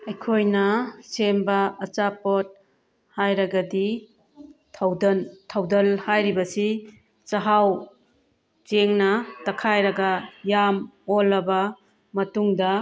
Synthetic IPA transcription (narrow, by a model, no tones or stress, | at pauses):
ɐjkʰojnɐsembɐɐt͡ʃapot̚ | hajɾɐɡɐdi | tʰawdɐntʰawdɐlhajɾibɐsi | t͡ʃɐɦaw | t͡ʃeŋnɐtɐkʰajɾɐɡɐjamolːɐbɐ | mɐtuŋdɐ